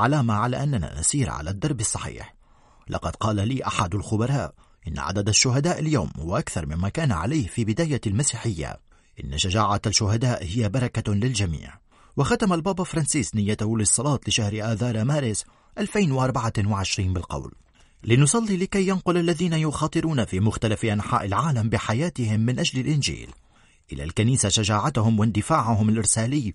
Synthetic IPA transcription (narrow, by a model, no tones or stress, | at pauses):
ʕalaːmaʕala̰ːʔanːana̰nʊ̰sˤiːɾʕa̰la̰d̪ːɑɾˤbɑsˤːɑħḭːħ | lʔɑ̰qɑd̪qɑːlaliːʔaħad̪alxʊbɑɾˤɑːʔ | ʔɪnːa̰ʕa̰d̪ad̪aʃːʊɦad̪aːʔaljawmhʊ̰waʔakθɑɾˤmɪmmːakaːnaʕa̰lajhfiːbɪd̪aːjalmasiːħɪjːa̰ | ʔɪnːaʃaʒaːʕalʃʊɦad̪aːʔhɪjːabɑɾˤɑkalɪld͡ʒamḭːʕ | waxat̪amalbɑːbafɾˤɑnsiːsnɪjːat̪ahʊlɨsˤːɑlɑːt̪ˤlɪʃahɾɪʔaːðɑːɾˤamaːɾɪs | ʔalfajnwʔɑɾˤbaʕawɪʕɪʃɾiːnbɪlqɑ̰wl | lɪnʊsˤɑlːilɪkajːanqʊlʔalːaðiːnajʊxɑːt̪ˤɨɾuːnafiːmʊxt̪alafʔanħa̰ːʔɪlʕaːlambɪħajaːt̪ɪhɪmːɪnʔaʒlɪlʔɪnʒḭːl | ʔɪla̰lkaniːsaʃaʒaːʕat̪ʊhʊmwɪnd̪ɪfaːʕʊɦʊmalʔɪɾsaːlɪː